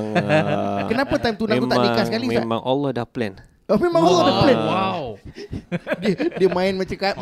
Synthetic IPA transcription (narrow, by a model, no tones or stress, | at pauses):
kənapat̪aimt̪unakuadikasəkalisama̰ŋolɔdahplɛ̰n | omemaŋolɔdahplɛna | diədiəmaɪnmat͡ʃəka